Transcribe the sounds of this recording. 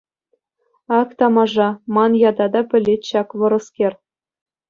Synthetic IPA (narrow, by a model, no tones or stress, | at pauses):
ɑkt̪ɑmɑʐɑmɑnjɑd̪ɑd̪ɑpʲɘ̆lʲːetʲɕɑkʋɤ̆ɾɤ̆skʲerʲ